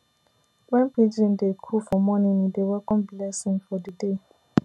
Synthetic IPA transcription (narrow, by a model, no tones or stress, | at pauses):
wɛ̃npid͡ʒĩndekʰufɔmɔnĩnidewɛkʰɔ̃mbilɛsĩnfɔdəde